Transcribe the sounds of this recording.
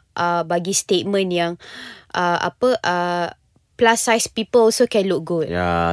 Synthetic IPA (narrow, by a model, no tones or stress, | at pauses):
ʔəbaɡist̪et̚mə̃njaŋʔəʔa̰pəʔə | plasajspipəlɔsokɛ̃nluk̚ɡutja̰